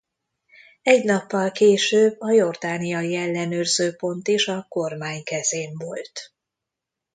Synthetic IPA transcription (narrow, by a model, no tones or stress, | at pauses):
ɛɟnɒpːɒlkeːʃøːbɒjo̞rd̪aːnijɒjiɛlːɛnøːrzøːpo̞nt̪iʃɒko̞rmaːɲkɛzeːɱvo̞lt̪